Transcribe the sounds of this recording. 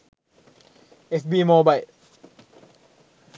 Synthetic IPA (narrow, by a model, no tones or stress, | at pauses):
ʔesbiːmoːbajl